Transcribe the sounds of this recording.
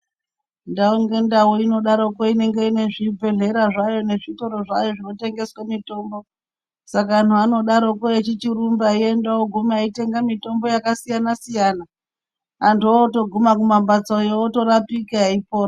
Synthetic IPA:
ndaoŋɡe̞ndawoino̞ɗaɾo̞koine̞ŋɡe̞ine̞ʐib͡vʱe̞ɮe̞ɾaʐajo̞ne̞ʐito̞ɾo̞ʐa̰jo̞ʐino̞te̞ŋɡe̞swamito̞ːmbo̞ | sakan̤uano̞ɗaɾo̞koet͡ʃit͡ʃirumbaie̞ndawoɡʱumaite̞ŋɡamito̞mbo̞jakasijanasijana | antoto̞ɡʱumakumambat͡sojooto̞ɾapikaaipoːra

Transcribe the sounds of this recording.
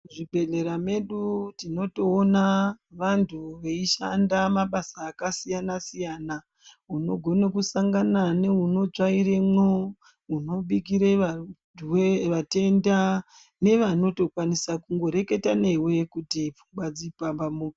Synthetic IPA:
ʐibʱe̞ɮe̞ɾame̞ɗutino̞toːnaʋantʰuʋe̞iʃa̰ndamaɓasaːkasijanasijana | uno̞ɡʱo̞nekusaŋɡanane̞uno̞d͡ʒaiɾe̞mo | uno̞ɓik̬iɾea | weʋate̞nda | ne̞ʋano̞to̞kwanisakuŋɡo̞ɾe̞ke̞tane̞we̞kutip͡fumbwad͡zipambamu

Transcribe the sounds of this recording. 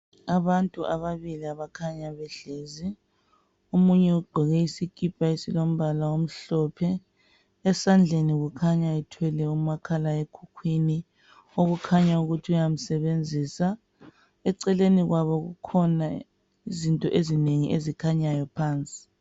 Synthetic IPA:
aβantʼuʔaβaβiliaβakʰaɲaβɛɮeːzi | omuɲɛuɡ͡ǃʱɛɣɛisikʰʼipʰʼaisilom̩βalaom̩ɬɔpʰɛ | ɛsand͡ɮʱeniɣukʰaɲaɛtʰwɛlɛumakʰalaekʰukʰwini | oɣukʰaɲauɣutʰiujam̩sɛβend͡zʱisa | ɛǀɛleniɣwaβɔɣṵkʰɔna | izintʼɔʔezineŋḭʔezikʰaɲajɔpʰaːnt͡sʼi̥

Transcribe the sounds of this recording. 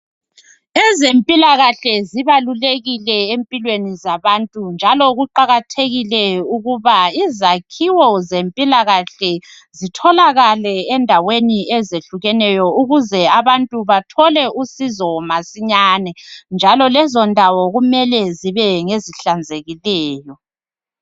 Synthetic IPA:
ɛzempʼilaɣaɬɛziβaluleɣilɛempʼilwenizaβantʼund͡ʒʱalɔɣuǃaɣatʰeɣilɛuɣuβaizakʰiwɔzempʼilaɣaɬɛ | zitʰɔlaɣalɛɛndʱaweniɛzeɬuɣɛnɛjɔuɣuzɛaβantʼuβatʰɔlɛʔusizɔmasiɲaːnɛnd͡ʒʱalɔlɛzɔndʱawɔɣumɛlɛziβɛŋeziɬand͡zʱeɣilɛːjɔ

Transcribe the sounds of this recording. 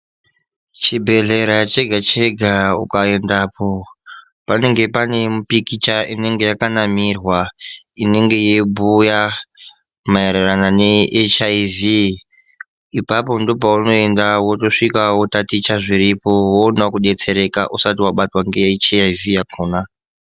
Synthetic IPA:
t͡ʃibʱe̞ɮe̞ɾat͡ʃeɡʱat͡ʃeɡʱaṵkaendapʰo | pane̞ŋɡe̞pane̞mupikit͡ʃaʔine̞ŋɡe̞jakanamirwaine̞ŋɡe̞jebuja | maeɾerananeet͡ʃaivi | ipapo̞ndo̞pauno̞e̞ndawotoʂikawotatit͡ʃaʐiɾipo̞woːnakuɗe̞t͡se̞ɾe̞kaʔusatiwaɓatwaŋɡet͡ʃavijakʰoːna

